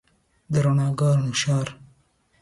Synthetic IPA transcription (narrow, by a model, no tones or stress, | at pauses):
d̪əɾanɑːɡɑɾnuʃɑːɾ